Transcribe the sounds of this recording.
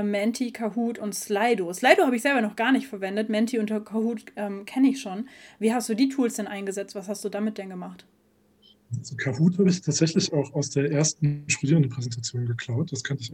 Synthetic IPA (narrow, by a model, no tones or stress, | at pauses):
mɛntʰikʰaɦuːtʊntslaɪdoslaɪdohaːbəɪçzɛlbɐnɔχɡ̥aːɐnɪçtfɛɐvɛndətmɛntʰiʊntɐkʰahuːtʔɛmkʰɛnəɪçʃoːnviːɦast̚d̥uːdiːtʰuːlsd̥ɛnʔaɪnɡəzɛt͡stv̥ashastd̥uːdaːmɪt̚d̥ɛnɡəmaχt | zkʰahuːthaːbəɪçtʰaːtz̥ɛçlɪçaʊxaʊsd̥eːɐʔeːɐstn̩ʃtudiːʁndən̩pʁ̥ɛzɛntʰat͡sjoːnɡəkʰl̥aʊt̚d̥askʰɔntəɪç